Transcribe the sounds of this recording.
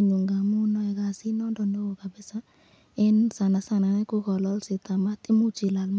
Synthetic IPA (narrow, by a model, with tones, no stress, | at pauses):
ɲu˨ŋɡa˨mu˦nɔ˧ɛ˨ɡa˨si˦nɔ˦ndɔ˨ndɔ˦o˨ka˨bɛ˦sa˦ | e˦nsa˨na˨sa˨na˨nɛ˦ku˦ɡɔ˨lɔ˦lsɪ˨t̪a˨ma˦t̪i˦mu˦t͡ʃi˨la˨lm